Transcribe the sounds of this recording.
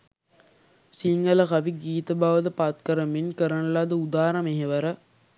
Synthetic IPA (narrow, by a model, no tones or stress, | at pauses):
siŋɡɐlɐkɐʋiɡiːt̪ɐbaːʋɐd̪əpat̪̚kɐɾəminkəɾəɳɐlaːd̪əud̪aːɾɐmeɦeʋɐɾə